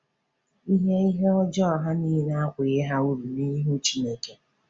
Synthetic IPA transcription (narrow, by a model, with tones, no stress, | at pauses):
i˦ɦe˦i˦ɦe˦ɔ˦d͡ʒɔ˦˨ɦa˦ni˦i˦na˦kʷɪ˨ɣe˦ɦa˦u˦ɾu˨ni˦ɦu˦t͡ʃi˦me˦ke˦